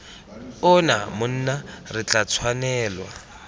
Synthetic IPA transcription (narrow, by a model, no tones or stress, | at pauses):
ʊnamʊn̩ːnarɪt͡ɬat͡sʰwanɛːlwa̰